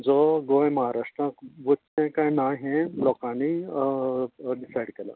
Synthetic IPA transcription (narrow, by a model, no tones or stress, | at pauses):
d͡zɔɡojməɦaɾaʂʈɾaʋot̪ːẽkãjnaɦẽlɔkani | ɖisajɽkela̰